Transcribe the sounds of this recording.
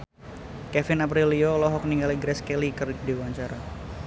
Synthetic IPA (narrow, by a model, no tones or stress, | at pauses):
kɛfɪnap̬ɾiliolɔɦɔk̚niŋɡaliɡɾɛskɛlikɨrdiwaɲt͡ʃaɾa